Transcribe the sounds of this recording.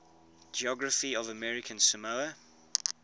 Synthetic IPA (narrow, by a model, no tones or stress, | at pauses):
d͡ʒiɔɡɹəfiəvəmɛɹɪkʰə̃nsəməə